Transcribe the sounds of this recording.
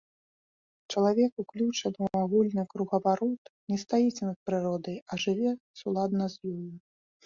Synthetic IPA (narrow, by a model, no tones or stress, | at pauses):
t͡ʂɐlˠavʲɛkuklʲut͡ʂɐnɨwaɣulʲnɨkɾuɣɐvaɾɔt̪nʲɛst̪ajit͡sʲɛnɐt̪̚pɾɨɾɔd̪ɐjɐʐɨvʲɛsulˠad̪nɐzʲjɔju